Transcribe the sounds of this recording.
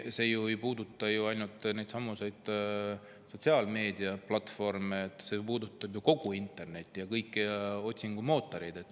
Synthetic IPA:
se̞juejpuːd̪ut̪ːˑɑjuɑjnult̪ˑne̞jd̪sɑmːuse̞jd̪̥ | so̞t̪ʲsiɑlme̞ːd̪iɑplɑt̪fo̞rmeːt̪ːˑse̞puːd̪ut̪ːˑɑb̥juko̞ɡ̥uint̪ːˑe̞rne̞t̪ʲːˑijɑkɤjkːˑio̞t̪ʲsiŋɡ̥umo̞ːt̪ːˑoɾejd̪e̞t̪ːˑ

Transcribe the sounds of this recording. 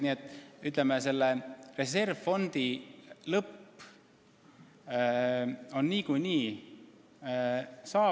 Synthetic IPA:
niːet̪ːˑyt̪ˑlemese̞lːere̞se̞rvfo̞nd̪̥ilɤpː | o̞nːiːkujniː | sɑː

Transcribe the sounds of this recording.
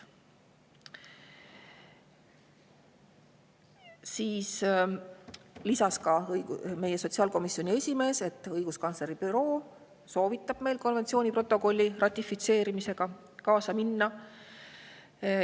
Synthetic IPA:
siːs | lisɑskɑjme̞je̞so̞t̪siɑːlko̞misio̞nʲie̞sʲime̞ːse̞t̪ːˑɤjɡ̥uskɑnsleɾibyɾo̞ː | so̞ːvit̪ːˑɑb̥me̞jlko̞nvet̪sio̞ːnʲipro̞t̪ːˑo̞ko̞lʲːirɑt̪ʲːˑifit̪se̞ːɾimise̞ɡ̥ɑ | kɑːsɑminːɑ

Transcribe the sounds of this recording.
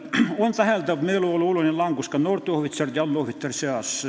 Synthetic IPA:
ont̪æhælt̪ɑʋmeiloolːuolonʲelɑŋkuskɑnort̪ohʋit̪sɑrt̪jɑlːoʋit̪ːɑrseɑs

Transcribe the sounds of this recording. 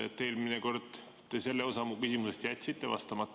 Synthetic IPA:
ḛt̪ːˑeːlmineko̞rd̪̥ | t̪e̞se̞lːeo̞sɑmukysimusest̪jæt̪ʲsit̪ːˑḛvɑ̰st̪ɑmɑt̪ːˑ

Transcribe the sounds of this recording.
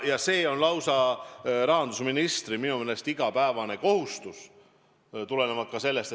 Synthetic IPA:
jɑse̞ːo̞nlɑwsɑɾɑɦɑnd̪̥usminist̪riminumelest̪iɡ̥ɑpæevɑne̞ko̞hust̪us | t̪ule̞nevɑt̪̚kɑse̞lːe̞st̪e

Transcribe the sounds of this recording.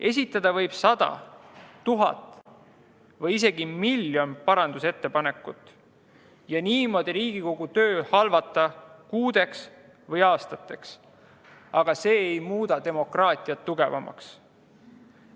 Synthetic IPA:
e̞s̬ʲit̪ːˑɑd̪̥ɑvɤ̞jb̥sɑd̪̥ɑ̰t̪ːuɦɑ̰t̪ːˑ | vɤjis̬e̞ɡ̥imiljo̞npɑɾɑnd̪̥use̞t̪ːe̞pɑne̞kːˑut̪ːˑ | jɑniːmo̞d̪̥iɾiːɡ̥iko̞ɡ̥ut̪ø̞ːhɑlvɑt̪ːˑɑkuːd̪̥e̞ks | vɤjɑːst̪ɑt̪ːˑe̞ks | ɑɡ̥ɑse̞ːjmuːd̪̥ɑt̪e̞mo̞krɑːt̪ˑiɑt̪ːuɡ̥e̞vɑ̰mɑ̰ks

